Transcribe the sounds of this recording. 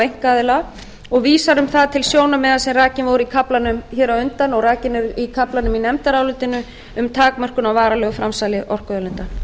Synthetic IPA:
ejŋ̥kaːðɪla | ɔɣviːsaɾʏmθaðt̪ʰɪlsjoːwnamɛːðasɛmraːcɪnvɔwɾikʰaplanʏmçɛːɾaʏnt̪anɔɣraːcɪnɪɾikʰaplanʏminɛmt̪aɾawlʏt̪ɪnʏ | ʏmt̪ʰaːkmœr̥kʏnawvaːɾalœːɣʏfɾamsaːlɪʔɔr̥kœðʏlʏnt̪an̥

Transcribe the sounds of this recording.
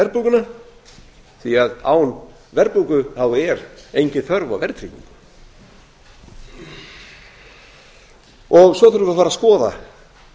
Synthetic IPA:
ɛɾpuwkʏna | θiaða̰ːwn | vɛɾpukʏhawɛɾejɲcɪθœɾva̰wvɛɾ̥t̪ʰɾḭcḭŋkʏ̥ | ɔɣsɔθʏɾvʏafaːɾaskɔːða̰

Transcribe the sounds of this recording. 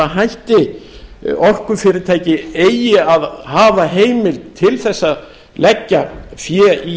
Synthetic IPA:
aɦajht̪ɪ | ɔr̥kʏfɪːɾɪɾt̪ʰaːjcɪeːjɪaðhaːvaɦeːjmɪlt̪ʰɪlθɛsːað | lɛcːafjɛi

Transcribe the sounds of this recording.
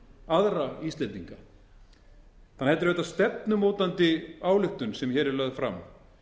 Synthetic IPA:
aðɾaist̪ɛt̪iŋka | θanːhɛt̪ʏɾvɛːt̪ast̪ɛp̚nʏmoːwt̪ant̪ɪaːwlʏht̪ʏnsɛmçɛːɾɪlœɣðfɾa̰m

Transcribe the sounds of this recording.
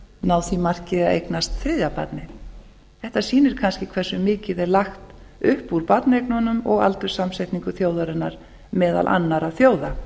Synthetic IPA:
nawθimar̥cɪðaḛjknast̪θɾɪðjapa̰t̪nɪ | θɛht̪asiːnɪɾ̥kʰanscɪkʰv̥ɛr̥sʏmɪːcɪðɛɾlaxt̪ʏhpuɾpat̪nejknɔnʏmɔɣa̰lt̪ʏɾ̥samsajht̪niŋkʏθjoːwðaɾʏnːaɾ̥ | mɛːða̰lʔa̰nːaɾaθjoːwða

